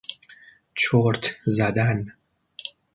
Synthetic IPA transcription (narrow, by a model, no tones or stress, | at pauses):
t͡ʃʰoɾt̪ʰzæd̪æn